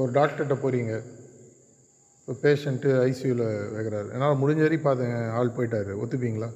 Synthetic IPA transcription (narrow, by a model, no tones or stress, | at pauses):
ɔɾɯɖaːk̚ʈɐʈːɐpoːɾiːŋɡɐ | pːopeːʂɛɳʈɯɐɪsjuːlʋeːkːɪɾaːɾɯʔḛːnːaːlɐmʊɽɪɲd͡ʒɐɾipaːɾt̪ɯŋɡɐaːɭpoːjʈːaːɾɯɔ̰t̪ːɯp̬ːiːŋɡɐlaː